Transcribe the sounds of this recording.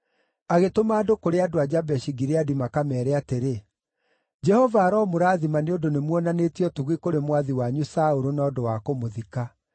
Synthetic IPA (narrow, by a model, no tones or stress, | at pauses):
aɣetomaːdokoɾeadoad͡ʑabɛʃiɡiɾeadimakamɛːɾɛateɾe | d͡ʒɛhɔvaːɾɔmoɾaːðimaneondonemwɔnanetiɔtuɣikoɾemwaðiwaɲusauɾonaɔdowakomoðika